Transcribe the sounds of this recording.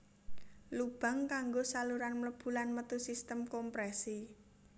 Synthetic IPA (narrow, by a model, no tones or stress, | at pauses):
lub̥a̤ŋkaŋɡosaluɾanmləb̥ṳlanmət̪usist̪əmkɔmpɾɛsi